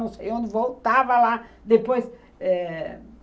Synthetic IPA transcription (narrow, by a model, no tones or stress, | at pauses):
ɐ̃w̃sejõnd̪ɪvowt̪avɐla | d̪epojs | ɛ